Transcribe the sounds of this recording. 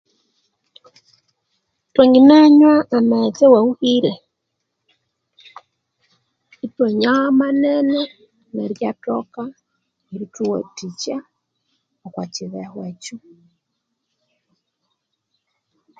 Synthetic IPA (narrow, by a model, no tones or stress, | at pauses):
twaŋɡinaɲwaːmɛt͡sɛwauhiɾɛ | itwɔɲamanɛnɛ | nɛɾjatɔka | iɾituwɔ̰tit͡ʃa | ɔkwat͡ʃɪðɛhwɛt͡ʃu